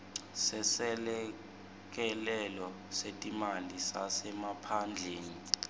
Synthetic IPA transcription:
sɛsɛlɛ | k̬ʼɛlɛlɔ | setʼimalisasɛmapʰand͡ɮʱeːni

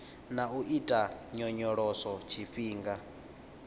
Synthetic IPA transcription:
nauʔitʼaɲɔɲɔɺɔsɔt͡ʃʰiɸiːŋɡa

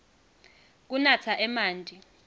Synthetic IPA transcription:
k̬unat͡sʰaʔɛmaːndʱʼi

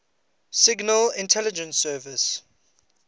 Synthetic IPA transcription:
sɪɡnəlɪ̃ntʰɛlɪd͡ʒə̃nsɜːvɪs

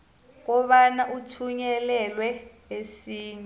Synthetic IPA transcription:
k̬ɔɓanaʔutʰuɲɛlɛlwɛ | esiːɲɛ

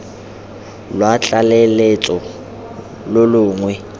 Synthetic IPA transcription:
lwat͡ɬʼalelet͡sʼɔ | lʊlʊːŋwɛ

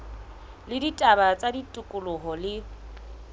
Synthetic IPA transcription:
lɪditʼabat͡sʼaditʼʊkʼʊlʊɦɔlɪ

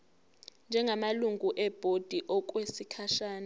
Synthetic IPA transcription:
nd͡ʒʱɛŋɡʱamaluŋɡʱuʔɛb̥ʱod̥ʱiʔɔk̬ʼwesikʰaʃaːna

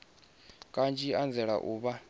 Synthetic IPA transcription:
kʼant͡ʃʼiand͡zɛɺa̰ʔuːβa

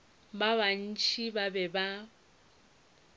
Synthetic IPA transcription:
baβan̩t͡ʃʰʼibabɛba

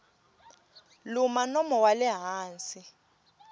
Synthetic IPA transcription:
lumanɔmɔwalɛɦaːnsi

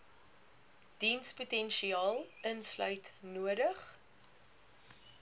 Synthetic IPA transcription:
d̥insputɛnʃiɑːlˠənslœɥtnuədəχ

